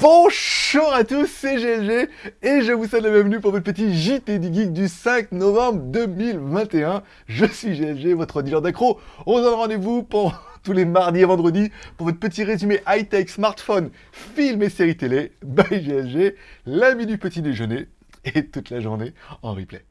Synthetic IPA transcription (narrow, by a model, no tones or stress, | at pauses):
b̥ɔ̃ʒuʁat̪usːɛʒeɛsʒeːʒəvusɛd̪ləbjɛ̃vnypuʁvɔt̪χpət̪̬iʒit̪ed̪yɡʲiɡ̚d̪ysɛ̃k̚nɔvɑ̃bʁd̪əmilvɛ̃t̪eɛ̃ | ʒəsɥiʒeɛsʒevɔt̪χəd̪ilɛʁd̪akχoɔ̃zɑ̃nʁɑ̃d̪evupɑ̃d̪̃t̪ulemaʁd̪ievɑ̃d̪ʁəd̪ipuʁvɔt̪χpət̪iʁezymeʔajt̪ɛksmaʁt̪fɔn | filmeseʁit̪elebajʒeɛsʒelɛ̃minypət̪id̪eʒəne | et̪ut̪laʒuʁneɑ̰̃ʁḭplɛ̰